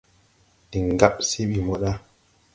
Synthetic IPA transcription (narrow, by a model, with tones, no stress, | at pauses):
ɗi˨ŋ˨ɡa˦ɓsi˦ɓi˨mɔ˨ɗa˦